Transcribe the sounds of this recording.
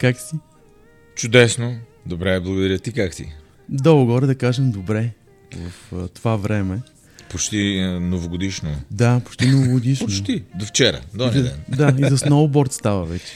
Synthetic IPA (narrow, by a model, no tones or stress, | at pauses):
kaksi | t͡ʃʊd̪ɛsnod̪obɾɛblˠɐɡod̪ɐɾʲjət̪ikakt̪ḭ | d̪ɔʊɡɔɾɛd̪ɐkaʒɛmd̪obɾɛ | vɐft̪ovavɾɛmɛ | pot͡ʃt̪inovoɡod̪iʃnod̪apo̥t͡ʃt̪inovoɡʊd̪iʃponot͡ʃt̪id̪oft͡ʃɛɾə̰d̪ɔnd̪ɛ̰nd̪aizɐsnɔvʊbɔɾt̪st̪avəvɛt͡ʃɛ̥